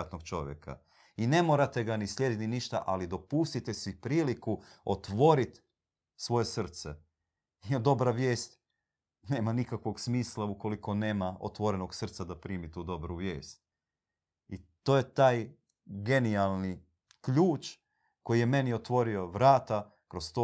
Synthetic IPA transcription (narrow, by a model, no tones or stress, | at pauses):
at̪no̞ɡ̥̚t͡ʃo̞̰ʋjḛkʰa̰ | ine̞mo̞ɾat̪e̞ɡanislje̞d̪it̪iniʃt̪a̰ʔalid̪o̞pust̪it̪esipɾiːlikuo̞t̪ʋo̞ɾit̪ | sʋo̞je̞sr̩t̪se | id̪o̞bɾaʋje̞ːst̪ | ne̞ːmanikakʋo̞ɡsmiːslˠauko̞liko̞ne̞ːmao̞̰t̪ʋo̞ɾe̞no̞ɡsr̩t̪sad̪apɾiːmit̪uːd̪o̞bɾuʋje̞ːst̪̚ | it̪o̞ːje̞t̪aːj | ɡe̞nialˠni | kʎuːt͡ʃ | ko̞jije̞me̞nio̞t̪ʋo̞ɾio̞ʋɾaːt̪a | kɾo̞st̪o